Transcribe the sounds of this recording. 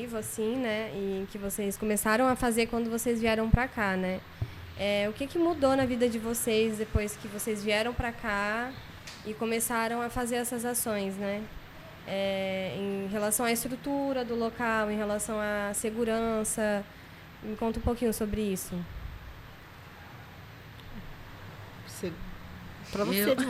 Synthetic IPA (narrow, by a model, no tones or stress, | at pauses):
ivʊasĩnɛɪ̃kɪvosejskõmesaɾɐ̃w̃ɐfazeɾkwɐ̃nd̪ʊvosejzviɛɾɐ̃w̃pɾakanɛ | ɛʊkɪkɪmud̪onɐvid̪ɐd͡ʒɪvosezd̪epojskɪvosejzviɛɾɐ̃w̃pɾaka | ɪkõmesaɾɐ̃w̃ɐfazeɾɛsɐzasõj̃snɛ | ɛẽɦelasɐ̃w̃aɐɪst̪ɾut̪uɾɐd̪ʊlokawẽj̃ɦelasɐ̃w̃aseɡuɾɐ̃sɐ | mɪkõnt̪ʊũpowkĩɲʊsobɾɪisʊ | se | pɾɐvose